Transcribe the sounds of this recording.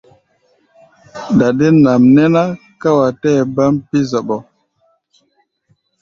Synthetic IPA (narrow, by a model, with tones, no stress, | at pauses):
da˨de˦na˨mnɛ˦na˦ | ka˦wa˨tɛː˦˨ba˦mpi˦zɔ˨ɓɔ˨